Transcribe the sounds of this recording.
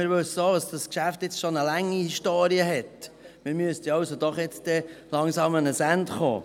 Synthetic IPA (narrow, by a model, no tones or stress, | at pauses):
mɪɾʋɵsoːdɑsd̥ɑskʃæft̪jɪt͡sʃonəlæŋːihiʃtoːɾiəɦɛt | mɪːɾmyəst̪iɑwsod̪ɔχjɛt͡sd̥ɛlɑŋsɑːmənəsæntχo̰ː